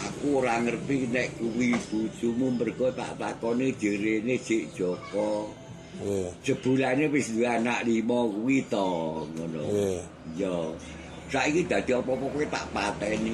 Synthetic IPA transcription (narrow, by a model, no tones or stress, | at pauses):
akuoɾaŋərt̪inɛʔkuwib̥u̥t͡ʃumumbərɡ̥ɔt̪a̰ʔt̪akɔned̥əɾened̥ʒ̥eʔd̥ʒ̥ɔkɔ | səb̥ṳlanewɪsd̪uanaʔlimɔkuwit̪ɔŋono̰ | jɔ | saʔikid̪̥a̤d̪̥i̤ɔpɔpɔkuit̪a̰ʔpat̪ɛni